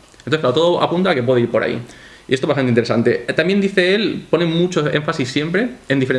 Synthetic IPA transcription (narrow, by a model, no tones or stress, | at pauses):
enoθsklaot̪o̞ðoʔa̰punt̪akepwe̞ðeiɾpo̞ɾa̰ḭ | iest̪oβast̪anint̪eɾesant̪e̞t̪ambje̞nd̪iθe̞elpo̞nemut͡ʃoe̞̰ɱfasisːje̞mpɾe̞end̪ifee